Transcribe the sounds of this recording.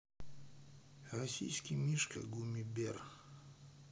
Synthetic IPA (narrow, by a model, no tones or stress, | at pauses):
rɐsʲḭjskʲijmʲiʂkə̰ɡumʲibʲer